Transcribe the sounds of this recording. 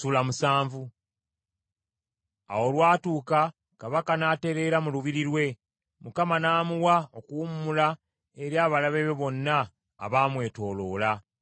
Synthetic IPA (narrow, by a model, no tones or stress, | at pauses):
ulamusaːɱvu | a̰wo̞lwaːtuːka | kaβakanaːte̞ɾe̞ɾamuluβiɾiɾwe̞ | mukamanaːmuwaokuumːula | e̞ɾjaːβalaβeβeβo̞nːa̰ː | βaːmwe̞ːto̞ːlo̞ːla